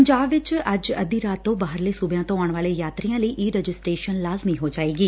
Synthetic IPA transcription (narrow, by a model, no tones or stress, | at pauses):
əɲd͡ʒaːbʋɪt͡ʃəd͡ʒəd̪iːɾaːt̪ːõːbaːɦəɾleːsuːbjãːt̪õːaːɳ̃ʋaːleːjaːt̪ɾijãːləiːʔiːɾɛd͡ʒɪsʈɾeːʃənlaːzmiːɦoːd͡ʒaːeːɡiː